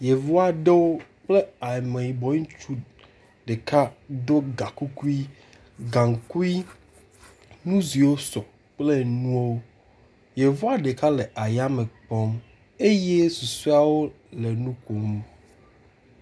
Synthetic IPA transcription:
je˨vo˦a˨ɖe˦wo˦k͡ple˦a˨mẽ˨ji˨bɔ˨ɲũ˦t͡ʃu˦ | ɖe˨ka˦do˦ɡa˨ku˦ku˦i˦ | ɡã˨ŋ˨ku˦i˦ | nũ˦zi˨wo˦sɔ˨ | k͡ple˦nũ˦o˦wo˦ | je˨vo˦a˨ɖe˨ka˦le˨ʔa˨ja˦me˨k͡pɔ˦m | e˦je˦su˨su˦a˦wo˦ | le˨nũ˦ko˨m˨

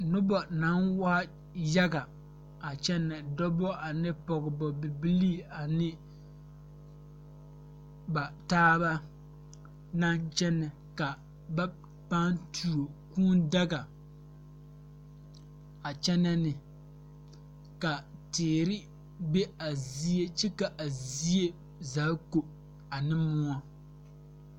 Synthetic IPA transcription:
nʊ˦bɔ˨na˨˦nwa˦ | ja˦ɡa˨ | a˨t͡ʃɛ˦nːɛ˨dɔ˦bɔ˦ʔa˨nɪ˦pɔ˨ɡɪ˨bɔ˨bɪ˨bi˦li˦˨a˨nɪ˦ | ba˨taː˦ba˦ | na˦nt͡ʃɛ˦nːɛ˨ | ka˨ | ba˦ | pa˦ntʰu˨ɾo˨kuː˦nda˦ɡa˨ | a˨t͡ʃɛ˦na˦nɪ˨ | ka˨teː˨ɾɪ˦ | be˦a˨zi˦e˦t͡ʃi˦ka˨ʔa˨zi˦je˦ | za˨˦ko˨ | a˨nɨ˦mʊ˦ɔ˦

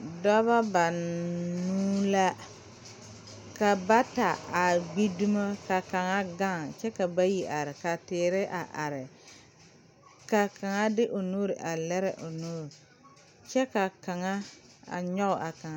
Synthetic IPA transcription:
dɔ˦βa˦ba˨nuː˦la˦ | ka˨ba˦ta˨a˨ɡ͡bi˦du˦ma˦ka˨ka˨ŋa˦ɡa˦˨ŋt͡ʃɛ˦ka˨ba˦ji˦ʔa˨ɾɪ˨ka˨tɪː˨ɾɪ˦ʔa̰˨ʔa˨ɾɪ˨ | ka˨ka˨ŋa˦dɪ˦ʔo˨nu˦ɾɪ˨ʔa˨lɛ˦ɾɪ˨ʔo˨nuː˦ɾ | t͡ʃɛ˦ka˨ka˨ŋa˦ | a̰˨ɲɔ˦ʊ˨ʔa˨ka˨ŋa˦

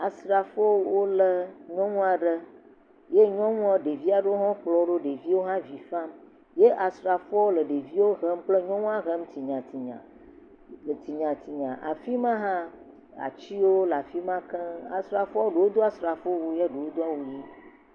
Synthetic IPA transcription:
a˨sɾa˨fɔ˦wo˦lə˨ɲɔ̃˦ŋũ˦a˨ɖə˦ | je˦ɲɔ̃˦ŋũ˦ɔ˦ɖe˨vi˦a˨ɖə˦wo˦ɦɔ̃˦k͡plɔ˨˦ɖo˦ɖe˨vi˦wo˦ɦã˦vi˨fa˦m | je˦ʔa˨sɾa˨fɔ˦wo˦lə˨ɖe˨vi˦wo˦ɣə˦m˦k͡plə˦ɲɔ̃˦ŋũ˦a˦ɣə˦m̩˦t̪i˨ɲã˨t̪i˨ɲã̰˨ | lə˨t̪i˨ɲã˨t̪ʰi˨ɲã˨ʔa̰˨fi˦mã˦ɦã˦ | a̰˨t͡ɕi˦wo˦la˨fi˦mã˦kə̃˦a̰˨sɾa˨fɔ˦wo˦ɖe˨wo˦d̪o˦a˦sɾa˨fo˦wu˦je˦ɖe˨wo˦d̪o˦a˦wu˨ji˦

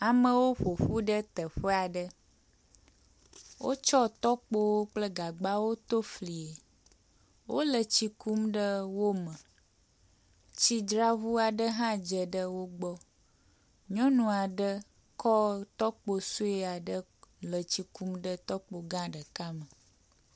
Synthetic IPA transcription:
a˨mə̃˦wo˦ɸo˨ɸu˦ɖə˦t̪ə˨ɸə˦a˨ɖə˦ | wʔo̰˦t͡ʃɔ˦t̪ɔ˦k͡po˦wo˦k͡plə˦ɡa˨ɡ͡ba˦wo˦t̪o˦fli˨e˨ | wʔo˦lə˨t͡ɕi˦ku˦mɖə˦wo˦mə̃˨ | t͡ɕi˦dɾa˦βu˦a˨ɖə˦ɦã˦d͡ʒə˨ɖə˦wo˦ɡ͡bɔ˦ | ɲɔ̃˦nũ˨a˨ɖə˦ | kɔ˦t̪ɔ˦k͡po˨su˦e˦a˨ɖə˦ | lə˨t͡ɕi˨ku˦mɖə˦t̪ɔ˦k͡po˨ɡã˦ɖə˨ka˦mə˨

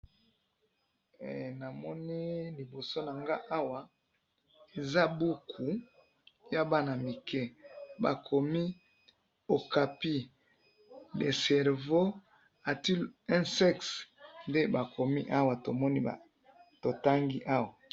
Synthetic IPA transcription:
na˨mɔ˦ni˦li˨bo˨so˦na˨ŋɡa˦ʔa˦wa˨ | e˨za˦bu˦kʰu˨ | ja˦ba˦na˨mi˨kɛ˦ba̰˨kʰo˨mi˦ | o˨ka˨pi˦ | le˨sɛ˨ʁvo˦ | a˨ti˦lɛ̃˦sɛ˦ksnde˦ba˨kʰo˨mi˦ʔa˦wa˨to˨mɔ˦ni˦a̰˨ | to˨ta˦ŋɡi˦ʔa˦wa˨

